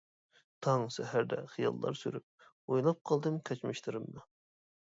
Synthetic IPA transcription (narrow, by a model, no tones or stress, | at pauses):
t̪ʰɑŋsɛhæɾd̪ɛ̰χijɑ̰lˠːɑ̰ɾsyɾyp̚ | ojlˠɑp̚qʰɑlˠd̪ɨmkʲʰɛt͡ʃmɪʃt̪ʰɨɾɨmd̪ɨ